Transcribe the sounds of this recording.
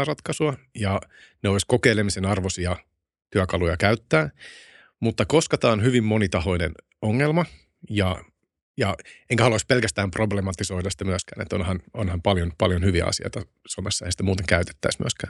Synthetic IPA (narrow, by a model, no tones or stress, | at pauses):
ɑrɑt̪kɑsuɑjɑ | neoiskokeilemisenɑrʋosiɑ | t̪yækɑlujɑkæyt̪ːæː | mut̪ːɑko̞skɑt̪ɑːnɦyʋimːo̞nit̪ɑho̞inen | oŋːelmɑ | jɑ | jɑeŋkæɑluoispelkæst̪æːmproblemɑt̪ːiso̞idɑsi̥t̪æmyæskæ̰ːnḛt̪ːonhɑnonhɑmpɑljonpɑljonhyʋiæ̰ɑ̰sio̰it̪ɑ | somesːɑḛhæsi̥t̪æmuːt̪eŋkæyt̪e̥t̪ːæismy̰æskæ̰ːn